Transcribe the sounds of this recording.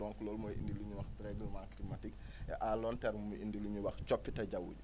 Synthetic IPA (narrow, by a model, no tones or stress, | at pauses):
ɔŋkulɔːlmɔːjʔḭndiluɲuwɐxtɾɛɡəlmaklimatik | ɛ̰ʔaːlɔntɛɾmumuʔindiluɲuwɐxt͡ʃɔpːitɐɟɐwṵɟu